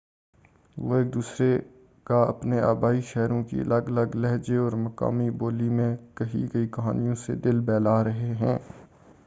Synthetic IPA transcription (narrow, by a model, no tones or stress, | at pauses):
ʋoːeːk̚d̪uːsɾe | kaɐ̰pnea̰ːbaːiʃɛɦɾõkḭɐ̰ləɡɐləɡlɛɦd͡ʒeɔːɾmɐka̰ːmiboːlimẽkɐɦḭɡɐikɐɦaːnijõsḛd̪ɪlbɛːlaːɾɐɦeɦɛ̃ː